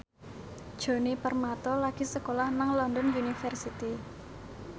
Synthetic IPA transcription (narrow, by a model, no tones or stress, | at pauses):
d̥ʒ̥o̤nipərmat̪ɔlaɡ̥i̤səkolahnaŋlɔnd̪ɔnjunifərsit̪i